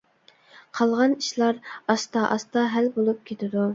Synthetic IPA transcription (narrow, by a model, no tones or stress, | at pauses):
qʰɑlˠʁɑniʃlˠɑɾɑst̪ɑʔɑst̪ɑɦælbolˠup̚kʲʰet̪ʰɪd̪u